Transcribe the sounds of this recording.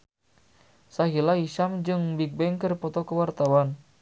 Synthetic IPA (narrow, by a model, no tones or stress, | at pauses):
saɦilaiʃamd͡ʒɨŋbik̚bɛŋkɨrpɔt̪ɔkəwart̪awan